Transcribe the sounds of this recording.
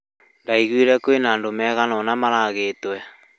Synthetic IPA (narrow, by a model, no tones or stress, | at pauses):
ndaiɣwiɾɛkwenandomɛɣanɔnamaɾaɣeːtwɛ